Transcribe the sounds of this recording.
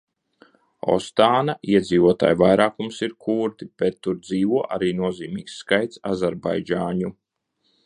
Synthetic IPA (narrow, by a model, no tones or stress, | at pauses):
ɔ̰st̪aːnaiɛd̪ziːvuɔt̪a̰ːjvajɾaːkumsiɾkʰuːɾt̪ib̥ɛt̪ːuɾd̪ziːvuɔʔaɾiːnuɔziːmḭːksːkajt̪sazɛɾba̰jd͡ʒaːɲu